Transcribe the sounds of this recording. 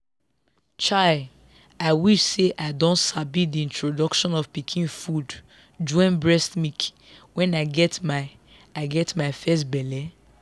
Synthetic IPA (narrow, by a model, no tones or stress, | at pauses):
t͡ʃad | aɪwiʃseʔaɪdõntsabidiĩntɹodɔkʃɔ̃nɔv̥pikʰĩnfud | d͡ʒɔɪ̃nbɹɛstmik | wɛ̃naɪɡɛtmaɪ | aɪɡɛtmaɪfɛs̬tbɛlɛ